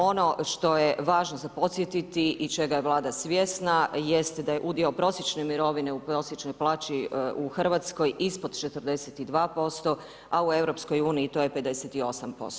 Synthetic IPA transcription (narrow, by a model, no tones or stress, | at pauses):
o̞no̞ʃt̪o̞jeʋaːʒnozapo̞t̪sjet̪it̪iʔit͡ʃe̞ɡajeʋlˠaːd̪asʋjesnajest̪d̪aje̞ʔud̪iopɾo̞sjet͡ʃnemiɾo̞ʋine̞upɾo̞sjet͡ʃnojplˠaːt͡ʃiuxr̩ʋat̪sko̞jʔispo̞d̪t͡ʃet̪əɾd̪e̞set̪id̪ʋaːpo̞st̪o̞ | aue̞vɾo̞psko̞juːniːt̪o̞ːjepe̞d̪e̞set̪io̞sampo̰st̪o